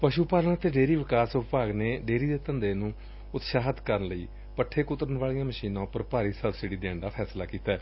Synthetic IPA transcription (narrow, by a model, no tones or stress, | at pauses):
pəʃuːpaːlənt̪eːɖeːɾiːʋɪkaːsʊppaːɡneːɖeːɾiːd̪eːt̪ənd̪eːnũː | ʊt̪ʃaːɦət̪kəɾənləiː | pəʈʰeːkʊt̪əɾənʋaːliːãːməʃiːnãːpəɾpaːɾiːsəbsɪɽiːd̪eːɳd̪aːpʰɛːslaːkiːt̪aɛː